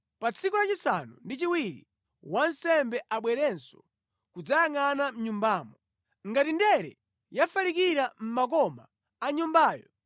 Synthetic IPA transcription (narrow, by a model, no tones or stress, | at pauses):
pat͡sʰikɔlat͡ʃisanṵndit͡ʃiwiɾḭ | wansɛmbɛʔaɓwɛɾɛnsɔ | kud͡zajaŋanam̩ɲumbaːmɔ | ŋɡatindɛɾɛ̰ | jafalikiɾam̩mak̬ɔma̰ː | ɲumbaːjɔ̰